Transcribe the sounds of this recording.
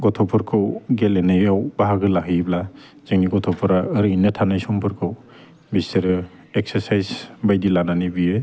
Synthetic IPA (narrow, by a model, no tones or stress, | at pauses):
ɡɔtʰɔpʰɔɾkʰɯwɡelenajawbaɦaɡɯlaɦibla | z̥eŋniɡɔtʰɔpʰɔɾaːɾɯinɯtʰanajsɔmpʰɯɾkʰɯw | biseɾɯ | ekseɾsajzbajdilananibie